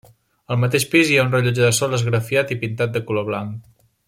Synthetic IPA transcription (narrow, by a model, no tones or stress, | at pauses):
əlˠmət̪eʃpiziaunrəʎud͡ʒəðəsɔlˠəzɣɾəfiat̪ipint̪at̪̚d̪əkuloβ̞laŋk